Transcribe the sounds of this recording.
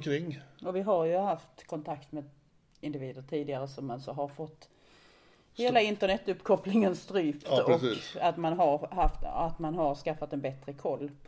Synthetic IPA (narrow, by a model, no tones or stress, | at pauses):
kʰɾɪŋːɔvɪɦaɾjɵɦaft̪kʰɔnt̪ʰakt̪meːd̪ | ɪnd̪ɪviːd̪əʈʰiːd̪ɪɡaɾəsɔmansɔɦaɾfɔt̪ː | heːlaɪnt̪əɳɛt̪ːɵpːkʰɔplɪŋənst̪ɾyːpt̪ɔsːat̪manɦaɾhaft̪at̪manɦaɾskafːat̪ɛnbɛt̪ɾəkʰɔlːpʰ